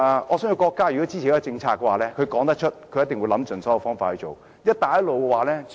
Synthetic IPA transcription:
ɔː˨˧sœː˨˥ji˧wkɔː˧kːaː˥jy˨kɔː˨˥t͡si˥t͡ɕʰi˨˩ɛː˥ɔ˨˧t͡sɪ˧ŋt͡sʰaː˧kːɛ˧waː˨˩lɛː˦˥kʰɵ˨˧jkɔː˨˥ŋt̪ɐ˥k̚t͡ʃʰɵ˥t̚kʰɵ˨˧jɐ˥t̪ɪ˨ŋwjlɐ˨˥mt͡sɵ˨˩nsɔː˨˥jɐ˨˧wfɔː˥ŋfaː˨t̚hɵ˧t͡so˨˩w | jɐ˥t̚t̪aː˨˧jɐ˥lo˨wkɛ˧waː˨˩lɛː˥

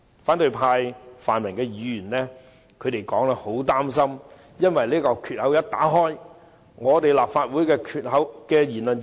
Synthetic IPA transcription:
faː˨˥nt̪ɵ˧ɥpʰaː˧jfaː˨nmɪ˨˩ŋkɛː˧jyː˧jy˨˩nlɛː˥ | kʰɵ˨˧ɥt̪e˨jkɔː˨˥ŋlɛ˧ho˨˥wt̪aː˥msɐ˥m | jɐ˥nwɐ˨jliː˥kɔː˧kʰyː˨t̚hɐ˨˥wjɐ˥t̚t̪a̰ː˨˥ɦɔː˥j | ŋɔː˨˧t̪e˨jlaː˨p̚faː˧t̚wuː˨˥jkɛː˧kʰyː˨t̚hɐ˨˥wkɛː˧jiː˨˩nlɵ˨˩n

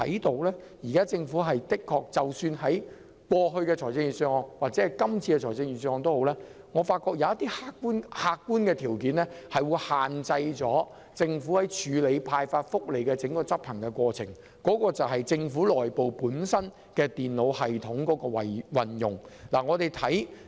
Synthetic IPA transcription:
tʰɐ̰˨˥jt̪o˧wlɛː˥ | jiː˨˩kaː˥t͡sɪ˧ŋfu˨˥ɦɐ˨jt̪ɪ˥kʰːɔː˧k̚t͡sɐ˨˩wsyː˧nɦɐ˨˥j | kwɔː˧ɦɵ˧ɥkɛː˧t͡ʃʰɔː˨˩t͡sɪ˧ŋjyː˨nsœː˧ŋɔː˧ŋwaː˨t̚t͡sɛ˨˦˥ɐ˨˩jkɐ˥mt͡sʰiː˧kɛ˧t͡ʃʰɔː˨˩jt͡sɪ˧ŋjyː˨˩nsœ˧ŋɔː˨˧ŋt̪o˥who˨˧˥wlɛː˥ | ŋɔː˨˧faː˧t̚kːɔː˧k̚jɐ˨˧wjɐ˥t̪iː˥haː˧kːuː˥nhaː˧kːuː˥nkɛ˧t̪ʰiː˨˩wkiː˨˥nlɛː˥hɐ˨jwuː˨˧jhaː˨nt͡sɐ˧jt͡sɔː˨˥ | t͡sɪ˧ŋfu˨˥hɐ˨˥jt͡ʃʰyː˨˧le˨˧jpʰaː˧jfaː˧t̚fʊ˥k̚le˨˩jkɛː˧t͡sɪ˨˥ŋkɔː˧t͡sɐ˥p̚hʰɐ˨˩ŋkɛ˧kʷɔː˧t͡sʰɪ̰˨˩ŋ | kɔː˨˥kɔː˧t͡sɐ˨wɦɐ˨jt͡sɪ˧ŋfuː˨˥lɔː˨jpo˨wpuː˨˥nsɐ˥n | kɛː˧t̪iː˨nlo˨˧whɐ˨jt̪ʰʊ˨˥ŋkɔː˨˥kɔː˧wɐ˨wɐ˨njʊ˨ŋlaː˨˩ŋɔː˨˧t̪e˨jt̪ʰɐ˨˥j

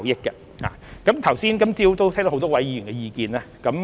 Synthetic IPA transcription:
wjɪ˥k̚kːɐ˧ | ha̰ː˨kɐ˨˥mt̪ʰɐ˨˩wsiː˥nkɐ˥mt͡siː˥wt̪o˥wtʰːt̪ɔ˥ht̪ɔː˥wɐ˨˥jiː˨˧˥yː˨˩nkɛ˧jiː˧kiː˧naː˦˥kɐ˨˥m

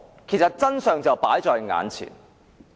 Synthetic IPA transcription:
kʰe˨˩jsɐ˨t̚t͡sɐ˥nsœː˨ŋt͡sɐ˨wpaː˨˥jt͡sɔː˧jŋa̰ː˨˥nt͡sʰḭː˨˩n

